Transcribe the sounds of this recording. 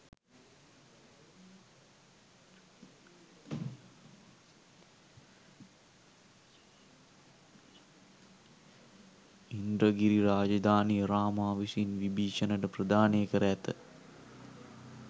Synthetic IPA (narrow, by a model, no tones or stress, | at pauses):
ind̪ɾəɡiɾiɾaːd͡ʒɐd̪aːnijəɾaːmaːʋisinʋibʱiːʂənəʈəprɐd̪aːnejkəɾəæt̪ə